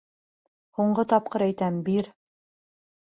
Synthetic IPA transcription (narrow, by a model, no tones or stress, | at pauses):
huɴɢɤt̪ɑp̚qɤɾæjt̪æmbiɾ